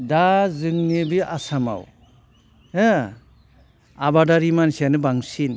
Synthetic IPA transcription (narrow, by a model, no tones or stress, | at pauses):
dazɯŋnibiʔasama̰w | e | abadaɾimansianɯbaŋsin